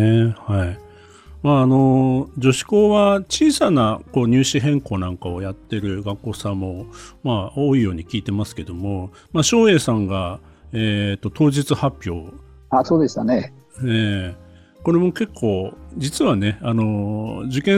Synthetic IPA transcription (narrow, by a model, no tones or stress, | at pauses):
hai | maːno̞d͡ʑo̞ɕi̥ko̞ːβat͡ɕiːsanako̞ːɲ̟ɨːɕiɦẽ̞ŋko̞ːnãŋkao̞jat̪ːe̞ɾɯ̟ɡakːo̞ːsãmːo̞maoːijo̞ːɲ̟ikʲiːt̪e̞masɨ̥ke̞d̪o̞mo̞ | maɕo̞ːe̞ːsãŋɡaeːt̪ːo̞t̪ʰo̞ːʑit͡sɨhapʲːjo̞ː | asoːd̪e̞st̪ane | eː | ko̞ɾe̞mo̞ke̞kʰːo̞ːd͡ʑit͡sɨβane̞ano̞d͡ʑɨkẽ